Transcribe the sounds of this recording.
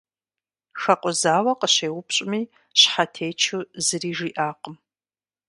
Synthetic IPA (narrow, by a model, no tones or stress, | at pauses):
xɐqʷʼʊzaːwɐqəɕeːwʊpɕʼɪmiː | ɕħatʰeːjt͡ʃʰuzɨriːʒiːʔaːqəm